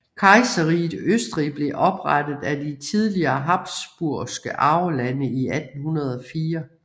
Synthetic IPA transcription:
kʰɑ̈ɪsɐʁið̥øsd̥ʁib̥le̝ʔɒ̽b̥ʁad̥ð̩ˠæd̥it͡sʰið̞ˠliɐːɦɑ̈b̥sb̥uɐ̰sɡ̥əʔɑ̈ʊlænəiæd̥n̩hunɐð̞ˠɒ̽fiːɐ

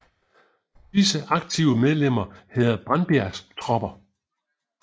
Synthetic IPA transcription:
d̥isəʔɑ̈ɡ̥̚t͡sʰiʊəmeð̞ˠlem̰ɐhæð̩ˠb̥ʁanb̥æɐst͡sʰʁɒ̽b̥ɐ

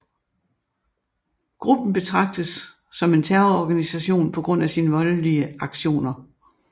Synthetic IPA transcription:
ɡ̥ʁub̥n̩b̥e̝t͡sʰʁɑ̈ɡ̥̚d̥əsː | ɒ̽me̝nt͡sʰæɐɐɒɡ̥ænisæɕo̝̰ːnpʰɒ̽ɡ̥ʁɔ̽n̰æsiːnəʋɒ̽ləliəɑ̈ɡ̥ɕo̝̰ːnɐ

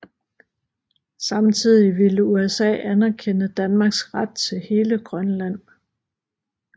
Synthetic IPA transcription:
sɑ̈mt͡sʰið̞̰ˠiʋiləuesɛ̰ːænɐkʰenəd̥ænmɑ̈ɡ̥sʁad̥̚t͡sʰe̝lhe̝ːləɡ̥ʁɶnlæn̰

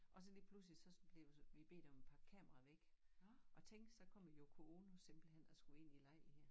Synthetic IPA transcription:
ʔɒ̽sɒ̽liːpʰlus̬lid̥sɒ̽sb̥le̝ʋʋib̥e̝̰ːd̥ɒ̽me̥pʰɑ̥̈ːkʰɛmɐʁɑʋeɡ̥ʔɒ̽t͡sʰeŋ̰ɡd̥sɒ̽kʰɒ̽m̰jokʰoonose̝mb̥l̩hen̰ɒsɡ̥ue̝n̰ilɑ̈ɪ̰heɐ̰

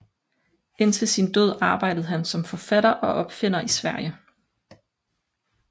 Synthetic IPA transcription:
e̝n̰t͡sʰe̝lsind̥øð̞̰ˠɑ̈ːb̥ɑ̈ɪ̰d̥ð̞̩ˠɦænsɒ̽mfɒ̽fæɾ̥ɐʔɒ̽ʔɒ̽b̥fe̝n̰ɐʔisʋæɐ̰jə

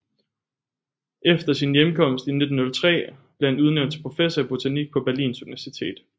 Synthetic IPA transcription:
ʔefd̥ɐsinjemkʰɒ̽m̰sd̥ine̝d̥n̩nɔlt͡sʰʁɛ̰ːb̥le̝hænuð̞ˠnøʊ̰ndt͡sʰe̥pʰʁo̝fesɐib̥ot͡sʰæniɡ̥̚pʰɒ̽b̥æɐlḭːnsuniʋæɐsit͡sʰe̝̰ːd̥

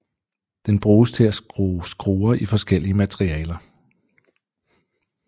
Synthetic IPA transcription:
d̥enb̥ʁuːst͡sʰe̝læsɡ̥ʁoːɐʔifɒ̽sɡ̥el̰iəmæt͡sʰʁiɛ̰ːlɐ

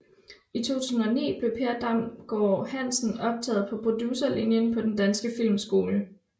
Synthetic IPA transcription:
it͡sʰo̝̰ːt͡sʰṵːsn̩ɒnḭːb̥le̝pʰeɐd̥ɑ̈m̰ɡ̥ɒ̰ːhæn̰sn̩ɒ̽b̥̚t͡sʰɛ̰ːð̞̩ˠpʰɒ̽pʰʁo̝d̥juːsɐlinjənpʰɒ̽d̥end̥ænsɡ̥əfil̰msɡ̥o̝ːlə

